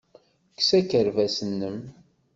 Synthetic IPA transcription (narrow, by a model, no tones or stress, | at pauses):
ksækəɾvæsənːəm